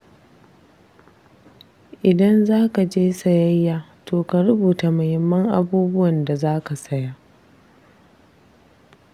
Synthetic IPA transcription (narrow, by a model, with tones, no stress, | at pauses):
ʔɪ˨dɐ˦nzaː˦ka˨d͡ʒeː˦sɐ˨jɐ˦jːaː˦˨toː˨ka˨ɾʊ˦buː˨ta˨mɐ˨hɪ˨mːɐ˦ŋʔa˦buː˦bʊ˦wɐ˨nda˨zaː˦ka˨sɐ˦jaː˦ʔ